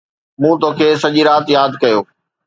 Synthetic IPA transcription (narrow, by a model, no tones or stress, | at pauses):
mũːt̪oːkʰeːsɐʄiɾaːt̪jaːd̪ʱkɐjoː